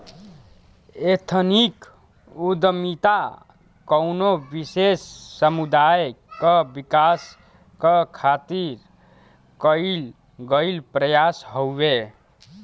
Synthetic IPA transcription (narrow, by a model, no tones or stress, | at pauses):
et̪ʰənik | ud̪mit̪a | kəʊnobisesːəmud̪ajkəbikas | kəkʰat̪iɾ | kəil | ɡəilpɾəjasɦobe